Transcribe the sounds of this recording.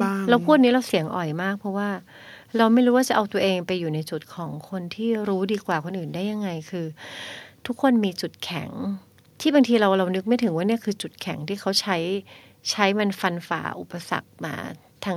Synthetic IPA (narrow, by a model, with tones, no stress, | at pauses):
ɾa˧wpʰuː˥˩t̪̚niː˦˥ɾa˧wsi˨˩˦əŋʔɔ̰˨˩jmaː˥˩k̚pʰɔ˦˥waː˥˩ | ɾa˧wma˥˩jɾuː˦waː˥˩t͡ɕa˨˩ʔa˧t̪u˧ɐʔeː˧ŋpa˧jːuː˨˩na˧jt͡ɕu˨˩t̪̚kʰɔː˩˦ŋkʰo˧nt̪ʰiː˥˩ɾuː˦˥diː˧kwaː˨˩kʰo˧nʔɯː˨˩ndaː˥˩ja˧ŋːa˧jkʰɯː˧t̪ʰu˦˥kʰːo˧nmiː˧t͡ɕu˨˩t̪̚kʰɛ̰˨˩˦ŋ | t̪ʰiː˥˩ba˧ŋt̪ʰiː˧ɾa˧wɾa˧wnɯ˦˥k̚ma˥˩jt̪ʰɯ˩˦ŋwaː˥˩ni˥˩ɐkʰɯː˧t͡ɕu˨˩t̪̚kʰɛ˩˦ŋt̪ʰiː˥˩kʰa˦˥wt͡ɕʰa˦˥j | t͡ɕʰa˦˥jma˧nfa˧nfa̰ː˨˩ʔu˨˩pːa˧sa̰˨˩k̚ma̰ː˧ | t̪ʰa˧ŋ